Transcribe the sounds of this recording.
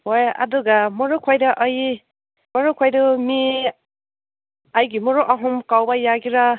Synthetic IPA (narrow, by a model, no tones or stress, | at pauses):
hoja̰duɡamɔɾukʰɔjdʌʔʌj | mɔɾukʰɔjdɔmi | ajɡimɔɾoʔaɦumkawbajaɡiɾa